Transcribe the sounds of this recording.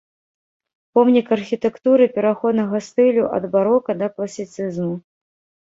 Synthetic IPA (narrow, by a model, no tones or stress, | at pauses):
pɔmnʲikɐrxʲit̪ɛkt̪uɾɨpʲɛɾaxɔd̪nɐɣɐst̪ɨlʲuʔɐ̰d̪baɾɔkɐd̪ɐklˠɐsʲit̪sɨzmu